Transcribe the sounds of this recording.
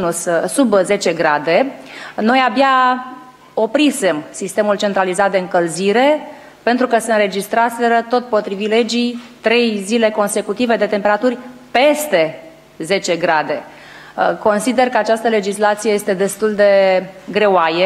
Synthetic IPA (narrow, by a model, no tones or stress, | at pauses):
nussubze̞t͡ʃe̞ɡɾad̪e̞no̞jabja | o̞pɾisemsist̪e̞mult͡ʃe̞nt̪ɾalizat̪̚d̪eɨŋkəlziɾe̞ | pe̞nt̪ɾukəseɨnɾe̞d͡ʒist̪ɾase̞ɾət̪o̞t̪̚po̞t̪ɾivile̞d͡ʒit̪ɾe̞jzile̞ko̞nse̞kut̪ive̞d̪e̞t̪e̞mpe̞ɾat̪urʲpe̞st̪e̞ | ze̞t͡ʃe̞ɡɾad̪e̞ | ko̞nsid̪e̞rkəat͡ʃast̪əle̞d͡ʒislat̪sijejest̪e̞d̪e̞st̪uld̪e̞ɡɾe̞oaje